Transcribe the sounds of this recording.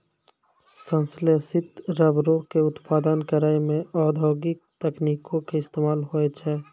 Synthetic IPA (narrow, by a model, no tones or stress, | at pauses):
sə̃nslesɪt̪ɾəbɾokeʊt̪paːd̪ənkeɾəemẽɔːd̪ʱoːɡɪk̚t̪ɛkniːkõkeɪst̪eːmaːlɦoet͡ʃʰɛː